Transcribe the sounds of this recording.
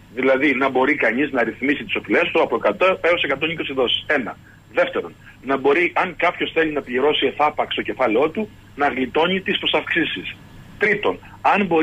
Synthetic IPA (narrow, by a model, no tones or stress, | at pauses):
ðilɐðinɐbo̞ɾikɐɲiznɐɾiθmisit̪i̥so̞file̞st̪oɐpokɐt̪ɐeo̞se̞kɐt̪o̞niko̞siðo̞si̥se̞nɐ | ðe̞ft̪e̞ɾo̞n | nɐbo̞ɾiʔɐŋkɐpço̞sθe̞linɐpʎiɾo̞sie̞θɐpɐkst̪o̞ce̞fɐleo̞t̪u | nɐɣlit̪o̞ɲit̪ispɾo̞sɐfksisis | t̪ɾit̪o̞n | ɐnbo̞